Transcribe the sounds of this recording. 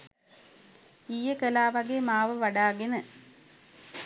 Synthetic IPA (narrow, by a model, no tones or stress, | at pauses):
ijɐkɐlaːʋɐɡemaːʋɐʋɐɽaːɡenɨ